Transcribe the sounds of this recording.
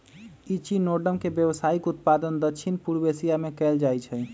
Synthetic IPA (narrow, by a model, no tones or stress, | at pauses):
it͡ʃinoɖəmkebjəβsaikut̪̚pad̪ənd̪əkt͡ʃʰinpuɾbesijamekɛld͡ʒajt͡ʃʰɛ